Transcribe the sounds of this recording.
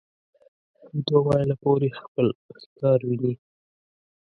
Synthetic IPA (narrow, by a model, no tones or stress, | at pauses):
d̪owɑjlapoɾexpəlskɑɾwini